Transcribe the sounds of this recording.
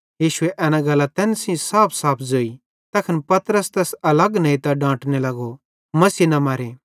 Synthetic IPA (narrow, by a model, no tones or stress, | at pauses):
jiːʃʊeʔɛːnãɡɐlːat̪ɛːnsĩsaːpʰsaːpʰzoːi | t̪ɐkʰɐnpɐt̪ɾəst̪ɛːsɐlɐɡnɐ̃ĩt̪ɐɖãːʈnelɐɡo | mɐsiːnɐmaːɾe